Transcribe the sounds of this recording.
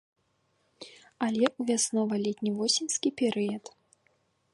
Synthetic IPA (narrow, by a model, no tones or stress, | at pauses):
alʲɛuvʲasnɔvɐlʲɛt̪ʲnʲivɔsʲinʲskʲipʲɛɾɨjɐt̪